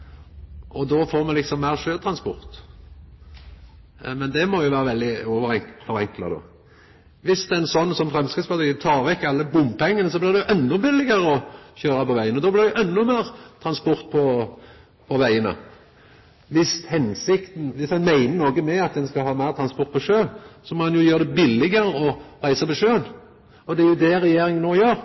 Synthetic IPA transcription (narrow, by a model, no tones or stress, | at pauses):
ʔɔd̪ofoːɾmɛlɪksɔmːæɪʁʃøːt̪ʰɾɑnspɔʁt̪ | mɛnd̪ɛmɔjʊʋæːɾəʋɛld̪ɪɔʋəɾɛŋfɔɾɛŋklɑ̰d̪o̰ː | ʋɪsd̪ɛɛnsɔnːsɔmfɾɛmskɪt̪spɑt̪it̪ʰɑːɾʋɛkːɑlːəbʊmːpʰɛŋːənəsɔblɪɾd̪ɛjʊʔɛnːɔbɪlːɪɡəɾəɔçøːɾɑpɔʋæɪənɔd̪ɔːblɪʁd̪ɛjʊʔɛnːʊmæːɾt̪ʰɾɑnspɔɾt̪̚pʰɔ | pʰɔʋæɪənə̰ | ʋɪshɛnsɪkt̪n̩ʋɪsɛnmæɪnənoːɡəmɛɑt̪̚d̪ɛnskɑhɑːmæɪʁt̪ʰɾɑnspɔʁt̪pʰɔʂøːsɔmoːd̪ɛnjʊjøːʁd̪ɛbɪlːɪɡəɾəɔɾæɪsɑpɔʂøːən | ɔd̪ɛjʊd̪ɛɾɛjeːɾɪŋənoːjøːɾ